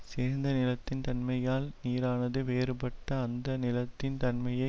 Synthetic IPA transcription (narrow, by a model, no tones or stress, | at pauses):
seːɾnd̪ɐnɪlɐt̪ːɪnt̪ɐnmɐjaːlniːɾaːnɐðɯʋeːɾɯpɐʈːɐːnd̪ɐnɪlɐt̪ːɪnt̪ɐnmɐjɐɪ